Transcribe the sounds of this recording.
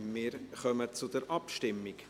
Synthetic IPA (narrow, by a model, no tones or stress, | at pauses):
mɪːɾχœmət͡sʊdəɾʔɑpʃtɪmːik